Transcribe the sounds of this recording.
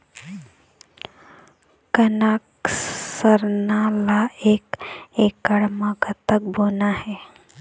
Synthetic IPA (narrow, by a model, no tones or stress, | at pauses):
kənaːksəɾnalaeːkekːəɽməkət̪ək̚boːnahe